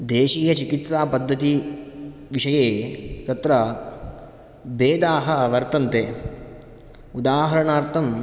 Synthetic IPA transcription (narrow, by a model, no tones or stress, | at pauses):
d̪eːʃiːjɐt͡ʃikit̪saːpɐd̪ʱːɐt̪i | ʋiʃɐjeːt̪ɐt̪ɾɐ | beːd̪aːɦɐʋɐɾt̪ɐnt̪eː | ud̪aːɦɐɾɐɳaːɾt̪ʰɐm